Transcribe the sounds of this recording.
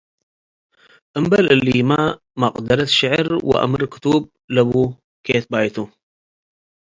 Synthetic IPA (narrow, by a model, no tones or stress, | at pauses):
ʔəmbalʔɪlːima | mɑqʼd̪əɾat̪ʃɪʕɾwɪ̰ʔa̰mɾkʊ̥t̪ub̚ | labu | ket̪̚bajt̪u